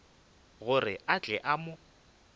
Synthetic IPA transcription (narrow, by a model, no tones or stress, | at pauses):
ɣʊrɪat͡ɬʼɛʔamʊ